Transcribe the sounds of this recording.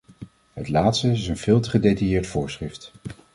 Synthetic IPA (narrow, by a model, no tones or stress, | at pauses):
ɦətlaːtstəɪsənv̥ɪːlˠtəχədejtajɪːɹtfʊːɹsχrɪft